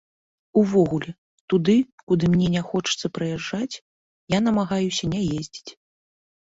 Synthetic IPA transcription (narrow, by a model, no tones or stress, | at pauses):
uvɔɣulʲɛ | t̪ud̪ɨkud̪ɨmnʲɛnʲɛxɔt͡ʂɨ̥t̪sːɐpɾɨjaʐːat͡sʲ | janɐmaɣajusʲɐnʲɛjezʲd͡zʲit͡sʲ